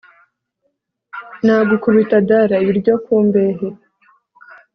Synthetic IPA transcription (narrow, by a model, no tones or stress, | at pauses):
nhaːɡukuβitadaɾaiβiɾɟokuːmbe̞ɦe